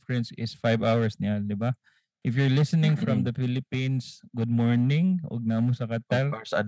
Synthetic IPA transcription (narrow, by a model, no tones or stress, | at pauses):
fɛnsɪsfajvawɐɹsnɪad̪ɪba | ʔɪfjʊɹlɪsənɪŋfɹɐmd̪ɐfɪlɪpinsɡʊd̪̚moɹnɪ̃ŋʔo̰ɡ̚namʊsɐkɐt̪ɐɾsɐ̰